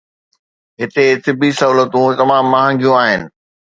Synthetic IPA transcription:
ɦɪt̪et̪ɪbʱisɐɦuːlət̪ũt̪ɐmaːmːɐːɦə̃ːŋɡijũaːɦɪnɪ̆

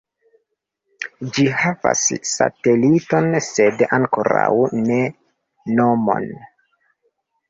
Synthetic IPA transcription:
d͡ʒihava̰sːa̰telito̞nse̞daŋkoɾawne̞ | nomo̞̰n

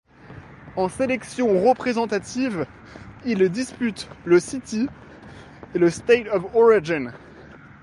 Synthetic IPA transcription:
ɑ̃selɛksjɔ̃ʁəpχezɑ̃t̪at̪iv | ild̪ispyt̪ləsit̪i | eləst̪ejt̪ɔvɔʁiʒin

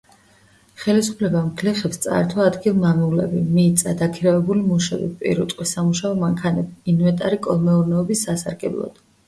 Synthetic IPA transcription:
χɛlisu̥pʰlɛbamkʰliχɛpst̪sʼa̰ɾt̪ʰɔad̪ɡilˠmamiulɛ̰bimiːt̪sʼad̪akʰiɾavɛbulimuʃɛ̰bḭpʼḭɾut̪ʼqʼwisamuʃaɔmaŋkʰanɛbiːnvɛt̪ʼaɾikʼɔlˠmɛuɾnɛɔbisasa̰ɾɡɛblˠɔ̰d̪̥

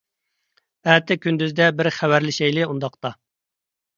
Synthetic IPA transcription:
æt̪ʰɪkʲynd̪yzd̪ɛbɪɾχæwæɾlɪʃɛjlɪund̪ɑqt̪ɑ

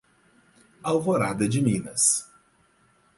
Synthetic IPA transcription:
awvoɾad̪ɐd͡ʒɪmĩnɐ̰s

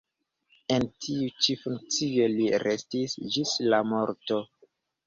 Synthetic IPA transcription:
e̞ntʰiut͡ʃifuŋk̚t͡sio̞liɾʔestisd͡ʒislamo̞ɾto̞

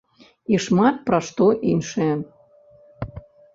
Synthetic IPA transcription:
iʃmɑt̪̚pɾɑʃt̪oʔinʲʃe

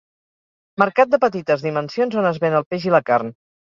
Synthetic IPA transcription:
məɾkat̪̚d̪əpət̪it̪əzðimənsionzonəzβenəlˠpeʒiləkarn

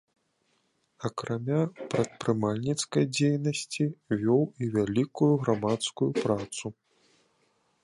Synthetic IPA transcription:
ɐkɾʔamʲapɾɐt̪̚pɾɨmalʲnʲit̪skɐjd͡zʲejnɐsʲt͡sʲivʲɔwivʲalʲikujuɣɾamat̪skujupɾat̪su

